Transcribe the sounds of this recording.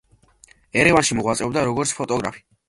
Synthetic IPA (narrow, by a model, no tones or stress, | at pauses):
ɛɾɛvanʃimɔʁwat̪sʼɛvd̪aɾɔɡɔɾt̪sʰpʰɔt̪ʼɔɡɾa̰pʰi̥